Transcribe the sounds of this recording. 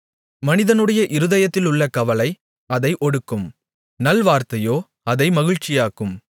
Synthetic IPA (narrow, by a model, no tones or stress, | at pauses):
mɐnɪðɐnɯɽɐjɐʔɪɾɯðɐjɐt̪ːɪlʊɭːɐkɐʋɐlɐɪ | ɐðɐɪʔɔɽɯkːɯm | nɐlʋaːɾt̪ɐjoː | ɐðɐɪmɐɣɪɻt͡ʃɪjaːkɯm